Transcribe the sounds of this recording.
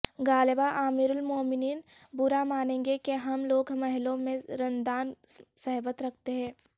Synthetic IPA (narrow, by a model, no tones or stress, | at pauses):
ɡaːlebaʔaːmiːɾʊlmoːmɪniːnbʊɾamaːnẽːŋɡekeɦɐmloːɡmɐɦɪlõmẽɾɐ̃nd̪aːnsɐɦbət̪ɾɐk̚ʰt̪eɦɛ̃ː